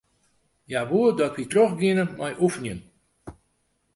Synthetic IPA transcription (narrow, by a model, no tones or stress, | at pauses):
jaʋuədɔtʋitrɔxɡɪnəmajʔufənjən